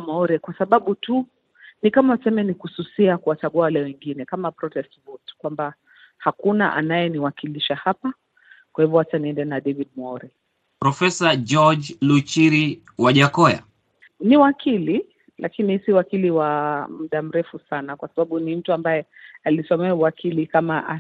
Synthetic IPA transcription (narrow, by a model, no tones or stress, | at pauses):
mɔɔɾɛkwasaɓaɓutu | nikamasɛmɛnikususiakuwat͡ʃaɡuawalɛwɛŋɡinɛkamapɾɔtɛstvɔtkwamba | hakuna̰ʔa̰najɛniwakiliʃahapa | kwahivɔwataniɛndɛnaɗɛvidmɔɔɾɛ | pɾɔfɛsad͡ʒɔd͡ʒlut͡ʃiɾi | waʄakɔja̰ | niwakʰili | lʔakinisiwakiliwam̩ɗam̩ɾɛfusanakwasaɓaɓunim̩tuambajɛ | alisɔmɛauwakʰilikamaʔa